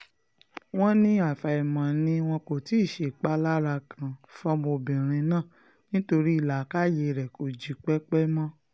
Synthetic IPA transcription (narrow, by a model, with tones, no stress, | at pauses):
w̃ɔ̃˦nĩ˧a˨fa˨i˨mã˨nĩ˧w̃ɔ̃˧ko˨ti˨˦˨ʃe˨k͡pa˦la˦ɾa˧kʰã˨fɔ˦mo˧bĩ˨ɾ̃ĩ˧nãː˦˨ | nĩ˦to˧ɾi˦i˦˨la˨ka˦je˧ɾɛ˨kʰo˨d͡ʒi˨˦k͡pɛ˦k͡pɛ˦mɔ̃˦